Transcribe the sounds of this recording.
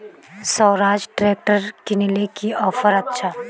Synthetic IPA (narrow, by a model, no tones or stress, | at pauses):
sɔːɾaːd͡ʒʈɾeːk̚ʈəɾkinɪlekiɔːfʰəɾɐtːʃʰa